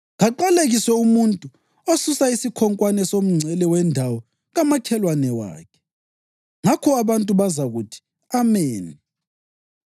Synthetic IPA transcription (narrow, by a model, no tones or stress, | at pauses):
ɣaǃaleɣiswɛumuntʼu | osusaisikʰɔŋkʼwanɛsom̩ŋ͡ǀʱɛlɛwɛndʱawɔ | ɣamakʰɛlwanɛwa̰ːkʰɛ̥ | ŋakʰɔaβantʼuβazaɣutʰi̥ | ameːni